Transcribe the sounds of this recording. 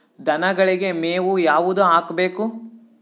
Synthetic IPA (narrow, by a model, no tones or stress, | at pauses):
d̪ʱɐnɐɡɐɭiɡe̞meːʋujaːʋud̪uaːkbe̞ːku